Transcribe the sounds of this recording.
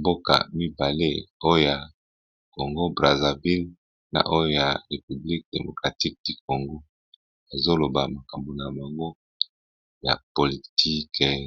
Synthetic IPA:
mbo˦ka̰˨mi˦ba˨le˦o˦jo˦ja˨ | ko˨ŋɡo˦bʁa˨za˨vi˦l | na̰˨ʔo˦jo˦ja˨ʁe˨py˨bli˦k̚de˨mo˨kʁa˨ti˦k̚ti˦ko˨ŋɡo˦ | a˨zo˦lo˨ba˨ma˨ka˨mbo˨na˨ba˨ŋɡo˦ | ja̰˨po˨li˨tʰi˦k

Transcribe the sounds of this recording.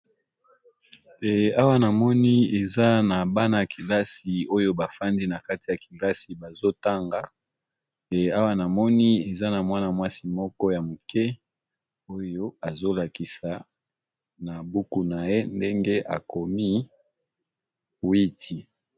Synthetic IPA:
a˦wa˦na˨mɔ˦ni˦e˨za˦na˨ba˦na˨a˨ki˨la˦si˨o˦jo˦ba˨fa˦ndi˦na˨ka˦ti˨ja˨ki˨la˦si˨ba˨zo˦ta˦ŋɡa˨ | a˦wa˦na˨mɔ˦ni˦e˨za˦na˨mwa˦na˨mwa˦si˨mɔ˦kɔ˦ja˨mo˨kɛ˦ | o˦jo˦a˨zo˦la˨ki˨sa˨ | na˨bu˦ku˦˨na˨je˦nde˦ŋɡe˦ʔa̰˨ko˨mi˦ | wi˦tʰi˨

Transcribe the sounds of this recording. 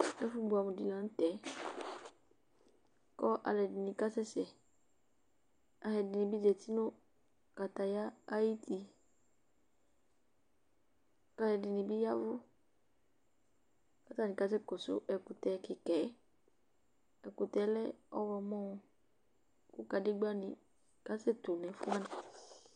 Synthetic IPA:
ɛ˦fu˦bu˨a˨mũ˨di˨lã˨n̩˦t̪ɛ˨˦ | kɔ˦ʔa̰˨lɛ˨dɪ˨nĩ˨ka˦sɛ˦sɛ˨ | a˨ɦɛ˨dɪ˨nĩ˨bi˦d͡ʒɛ˨t̪i˦nʊ̃˦ | ka˨t̪a˨ja˦a˦ji˦t̪i˨ | ka˨hɛ˨dɪ˨nĩ˨bi˦ja˦vʊ˦ | ka˦t̪a˦nĩ˨ka˦s̬ɛ˦kɔ˨sʊ̰˦ʔɛ˨ku˨t̪ɛ˨kɪ˨kɛ˨˦ | ɛ˨ku˨t̪ɛ˨˦lɛ˦ɔ˦wɔ˧mɔ̃˦˨ | ku˦ka˨dɪ˦ɡ͡ba˦nĩ˨ | ka˦sɛ˦t̪u˨nɛ̃˨˦fu˦a˦na˨

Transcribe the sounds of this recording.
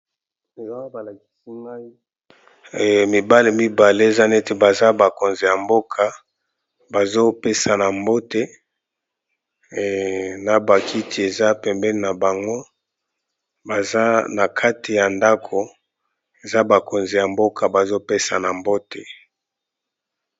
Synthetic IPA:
e˨za˦o˦ba˨la˨ki̥˦si˦ma˦i˦˨ | mi˨ba˦le˨mi˦ba˨le˦e˨za˦ne˦te˨ba˨za˦ba˨ko˨nzi˨ja˨mbo˦kʰa˨ | ba˨zo˦pe˦sa˨na˨mbo˦te˨ | na˨ba˨kʰi˦tʰi˨e˨za˦pɛ˨mbɛ˦li˨na˨ba˨ŋɡo˦ | ba˨za˦na˨kʰa˦ti˨ja˨nda˦kʰo˨ | e˨za˦ba˨ko˨nzi˨ja˨mbo˦kʰa˨ba˨zo˦pe˦sa̰˨na˨mbo˦te˨

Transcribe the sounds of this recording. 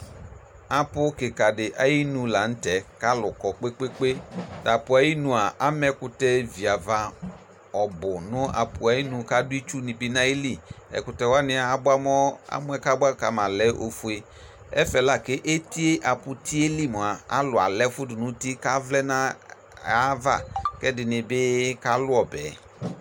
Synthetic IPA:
a˨pʊ˦kɪ˨ka˨dɪ˨ʔa˨ji˦nũ˨la˨n̩˦tɛ˨ka˦lʊ˨kɔ˨k͡pe˦k͡pe˦k͡pe˦da˨pʊ˨a˨ji˦nũ˨a˨ʔa˦mɛ˦kʊ˨˦tɛ˦vi˨a˨va˦ | ɔ˨bʊ˨nʊ˦a̰˨pʊ˨a˨ji˦nʊ̃˨ka˦dʊ˦i˦t͡ʃu˦nɪ̃˨bɪ˦nã˦e˦li˦˨ɛ̰˨kʊ˨tɛ˨wa˦nɪ˦a˨a˦ba˦mɔ˦a̰˦mʊ˦ɛ˦ka˦ba˦˨ka˨˦ma˨lɛ˦ʔo˨fu˦e˨˦ | ɛ̰˦fɛ˨la˦ke˦ʔe˦ti˦e˦ʔa˨pʊ˨ti˦e˦li˦˨mu˨a˨a̰˦lʊ˨a̰˨lɛ˦fʊ˦dʊ˨nʊ˦ti˦ka˦vlɛ˦na˦ | a˦va̰˦˨kɛ˦dɪ˨nɪ˨bɪ˦ka˦lʊ˦ɔ˨bɛ˨

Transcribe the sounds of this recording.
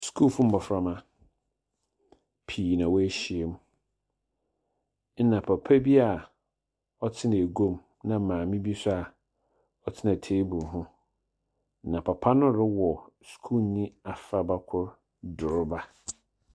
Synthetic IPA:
skʰu˦lfũ˦m̩˦bɔ˨fɾa˦˨mã˦ | pʰiː˨nã˨wɔ˦æ˦ɕi˨e˨m˦ | nã˨pʰa˨pʰæ˦bi˦a˨ | ɔ˦tʰɪ˦ñ˨e˨ɡo˦m | nã˨mãː˨mĩ˦bi˦sʊ˦a˨ | ɔ˨t͡sʰɪ˦nã˨tʰe˦bu˨ɾɦʊ̃˦ | nã˨pʰa˨pʰa˦nʊ̃˦˨ɾɪ˦wɔ˨skʰu˦˨nĩ˦a˨fa˨ba˦kʰʊ˦ɾ | dʊ˨ɾba˦

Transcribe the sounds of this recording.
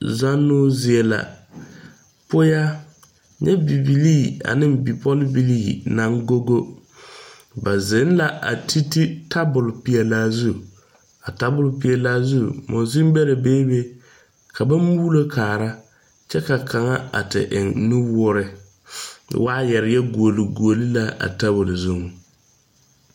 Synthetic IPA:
za˦nːʊ˦zɪ˨ɛ˦la̰˨ | pʊ˦ja˦ | ɲɛ˦bi˨bi˨liː˦˨a̰˨nɪ˦mbi˨pɔ˦lbi˨liː˦˨na˨˦ŋɡo˦ɡo˦ | ba˨ze˨˦n˦la˨ʔa̰˨tʰi˦ti˦tʰa˦bʊ˨lpi˨ɛ˨laː˦zu˦ | a˨ta˦bʊ˨lpi˨ɛ˨laː˦zu˦˨mo˨zi˦mbɛ˦ɾa˨beː˦be˦ | kʰa˨ba˦mu˦lo˦kʰaː˨ɾa˦ | t͡ʃɛ˦ka˨kʰa˨ŋa˦a̰˨tɪ̰˨ʔɪ̰˨ŋnu˦wʊ˦ɾɪ˦ | waː˦jɛ˨ɾɪ˨˦jɛ˦ɡu˨o˨li˨ɡu˨o˨li˦la˦a̰˨ta˦bʊ˨lzu˦˨ŋ˨

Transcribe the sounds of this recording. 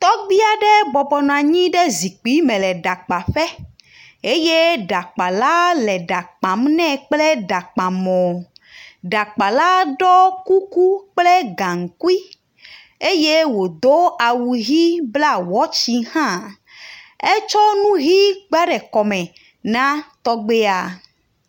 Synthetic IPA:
t̪ɔ˦ɡ͡bi˦a˨ɖɛ˦bɔ˨bɔ˨nã˨ɲĩ˦ɖɛ˦zi˨k͡pi˦mɛ̃˨lɛ˨ɖa˨k͡pa˨ɸɛ˦ | e˦je˦ɖa˨k͡pa˨la˦lɛ˨ɖa˨k͡pã˨mnɛ̃˦k͡ple˦ɖa˨k͡pã˨mɔ̃˨ | ɖa˨k͡pa˨la˦ɖɔ˦ku˦ku˦k͡plɛ˦ɡã˨ŋ̩˨ku˦i˦ | e˦je˦wo˨d̪o˦a˨wu˨ɣi˦bla˦wɔ˦t͡ɕi˦hã˦ | e˦t͡ʃɔ˦nũ˦ɣi˦ɡ͡ba˦ɖɛ˨kɔ˨mɛ̃˨ | nã˦t̪ɔ˦ɡ͡be˦a˨

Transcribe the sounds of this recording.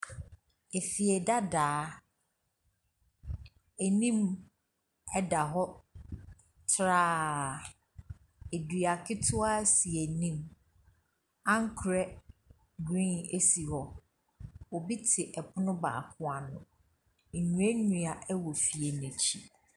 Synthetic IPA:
e˨fi˨ɛ˨da˦daː˨˦ | e˨nĩ˦m | ɛ˦da˨ɦɔ˦ | tʰɾaː˦˨ | e˨dɥa˨kʰɪ˦tʰʊ˦a˦si˨e˨nĩ˦m | ã˦ŋ˦kʰɾɛ˦ | ɡɾĩ˦ne˦si˨hɔ˦ | wɔ˨bi˦tʰɪ˨ʔɛ˨pʰʊ˦nʊ̃˦ba̰ː˨kʰʊ̃˦a˨nʊ̰̃˨ | ɲũ˨ɛ˦nũ˨a˨ʔɛ˦wɔ˨fi˨e˨nɛ̃˨t͡ɕʰi˦

